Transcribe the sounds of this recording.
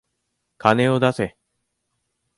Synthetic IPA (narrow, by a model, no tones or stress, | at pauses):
kʰane̞o̞d̪ase̞